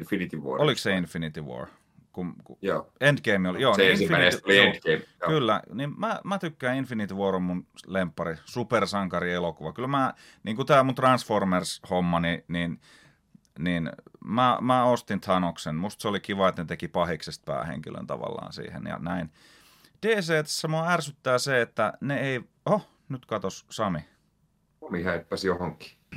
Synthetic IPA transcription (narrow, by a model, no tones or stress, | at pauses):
finit̪iʋuo̰olikseinfinit̪iʋo̰r | kunkujoːend̪keimiolijoːensiiæeliend̪ɡeimkylːæ̰nimmæmæt̪ykːæːinfinit̪iʋuorommunlempːɑrisupersɑŋkɑrielokuʋɑkylmæː | niːŋkut̪æːmunt̪rɑnsformershomːɑninin | ninmæmæost̪int̪ʰɑnoksenmust̪seolikiʋɑet̪net̪ekipɑhiksest̪̚pæ̰ːhḛŋkilø̰nt̪ɑ̰ʋɑ̰lːɑ̰ːnsḭːhḛnjɑ̰næin | d̥eːseːt̪æ̥sːæmoɑærsyt̪ːæːseet̪ːæneei | o | nyt̪kɑt̪ossɑmi | omihæipːæsjohoŋki̥